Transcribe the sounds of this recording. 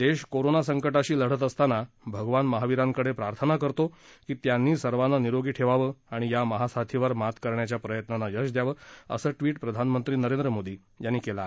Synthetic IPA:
d̪eɕkoɾonasəŋkəʈaɕiːləɽ̤ət̪̬əst̪ana | bʱəɡʋanməɦaʋiɾãŋkəɽepɾaɾt̪ʰənakəɾt̪okiːt̪janːiːsəɾʋananiɾoɡiːʈʰeʋaʋəaɽ̃ijaməɦasat̪ʰiʋəɾmat̪kəɾɳjat͡ɕjapɾəjət̪nanajəɕd̪jaʋəə̰səːʈʋiːʈpɾəd̪ʱanmənt̪ɾiːnəɾẽnd̪ɾəmod̪iː | janːiːkela

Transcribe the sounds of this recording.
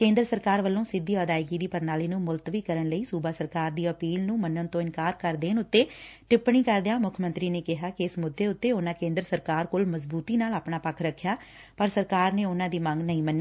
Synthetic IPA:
kẽːnd̪ɾəsəɾkaːɾʋəlːõːsɪd̪iːəd̪aːɪɡiːd̪iːpəɾnaːliːnũːmʊlt̪ʋiːkəɾəɳləiːsuːbaːsəɾkaːɾd̪iːəpiːlnũːmənːənt̪õːɪnkaːɾkəɾd̪eːnʊt̪ːeːʈɪpːɳiːkəɾd̪ejaːmʊkʰmə̃nt̪ɾiːneːkɪɦaːkɪɪsmʊd̪ːeːʊt̪ːeːʊnãːkẽːnd̪ɾəsəɾkaːɾkoːlməzbuːt̪iːnaːlaːpɳaːpəkʰɾəkʰːjaː | pəɾsəɾkaːɾneːʊnãːd̪iːmə̃ŋɡnəĩːmənːiː

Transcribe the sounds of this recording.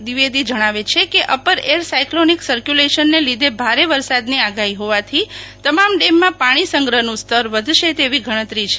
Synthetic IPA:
d̪iʋed̪id͡ʒəɽ̃aʋet͡ʃʰekeʔəpəɾeɾsajkloniksəɾkjuleʃənːelid̪ʱebʱaɾeʋəɾsad̪niaɡaɦiɦoʋat̪ʰit̪əmamɖemːãpaɽ̃isəŋɡɾənũst̪ʰəɾʋəd̪ʱʃet̪eʋiɡʱəɽ̃ə̃t̪ɾit͡ʃʰe̥

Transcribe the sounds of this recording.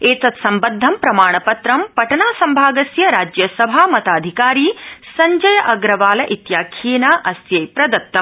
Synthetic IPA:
eːt̪ɐt̪sɐmbɐd̪ʱːɐmpɾɐmaːɳɐpɐt̪ɾɐmpɐʈɐnaːsɐmbʱaːɡɐsjɐɾaːd͡ʒjɐsɐbʱaːmɐt̪aːd̪ʱikaːɾiːsɐɲd͡ʒɐjɐʔɐɡɾɐʋaːlɐʔit̪jaːkʰiːnaːʔɐsjɐjpɾɐd̪ɐt̪ːɐm

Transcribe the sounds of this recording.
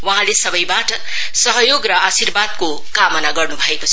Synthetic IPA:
waɦãlesʌbʌjbaʈʌ | sʌɦʌjoɡrʌasirbad̪ko | kamʌnaɡʌrnubʱʌekot͡sʰʌ

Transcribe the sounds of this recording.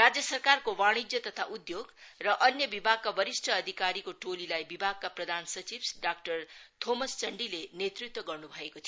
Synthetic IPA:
rad͡zjʌsʌrkarkowaɽ̃id͡zjʌt̪ʌt̪ʰaʔud̪joɡrʌʔʌnjʌbibʱaɡkabʌɾisʈʰʌːd̪ʱikaɾikoʈolilajbibʱaɡ̚kaprʌd̪ʱansʌt͡sibsɖak̚ʈʌrt̪ʰomʌst͡sʌɳɖilenet̪rit̪wʌɡʌrnubʱʌekot͡sʰ

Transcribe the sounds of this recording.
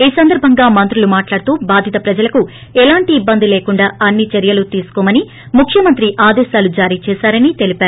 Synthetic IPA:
iːsɐnd̪ɐɾbʱɐŋɡaːmɐnt̪ɾulumaːʈlaːɽut̪uːbaːd̪ʱjit̪ɐpɾɐd͡ʒɐlɐku | ɛlaːɳʈiːbːɐnd̪ileːkuɳɖaːɐnːit͡ʃeɾjɐlut̪iːsu̥kɔːmɐni | mukʰjɐmɐnt̪ɾiʔaːd̪ɛːʃaːlud͡ʒaːɾiːt͡ʃɛːʃaːɾɐnit̪e̞lipaːɾu

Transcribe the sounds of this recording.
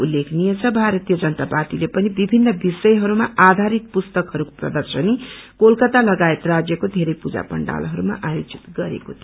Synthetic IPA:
ulːekʰnijet͡sʰʌbʱaɾʌt̪ijʌd͡zʌnt̪apat̪ilepʌnibibʱinːʌbisʌjɦʌɾumaʔad̪ʱaɾit̪̚pust̪ʌkɦʌɾukoprʌ̰d̪ʌrsʌnikolkʌt̪alʌɡaet̪rad͡zjʌkod̪ʱeɾʌjpud͡za̰pʌ̰ɳɖa̰lɦʌɾuma̰ʔajod͡zit̪ɡʌɾḛkot̪ʰi

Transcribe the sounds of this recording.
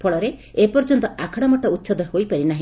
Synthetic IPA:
pʰɔɭɔɾeepɔɾd͡ʒɔnt̪ɔakʰɔɽ̃ɔmɔʈɔut̪ːsɔd̪hojpaɾinaɦĩ

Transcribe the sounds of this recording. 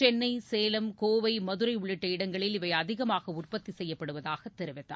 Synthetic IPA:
t͡ʃɛnːɐɪseːlɐmkoːʋɐɪmɐðɯɾɐɪʊɭɪʈːɐɪɽɐŋɡɐɭɪlɪʋɐɪɐðɪɣɐmaːɣɐʊrpɐt̪ːisɛjːɐpːɐɽɯʋɐðaːɣɐt̪ːɛɾɯʋɪt̪ːa̰

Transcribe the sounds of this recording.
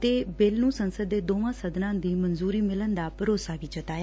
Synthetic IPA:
t̪eːbɪlnũːsənsəd̪ːeːd̪oːʋãːsəd̪nãːd̪iːmənzuːɾiːmɪlənd̪aːpəɾoːsaːʋiːt͡ʃət̪aːjaː

